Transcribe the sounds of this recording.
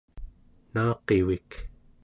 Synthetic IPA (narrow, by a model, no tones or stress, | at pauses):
nɑːqewik